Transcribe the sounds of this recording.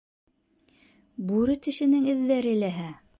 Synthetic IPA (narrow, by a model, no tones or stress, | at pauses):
buɾɘt̪ɘ̆ʃɘ̆nɘŋɘ̆ðːæɾɘ̆læɦæ